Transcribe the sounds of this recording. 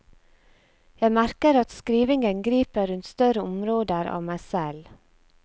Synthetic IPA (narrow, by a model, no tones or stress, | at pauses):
jæɪmæɾkəɾɑt̪skɾiːʋɪŋənɡɾiːpəɾʉnt̪st̪œɾəʊmɾoːd̪əɾɑ̰ːʋmæɪsɛl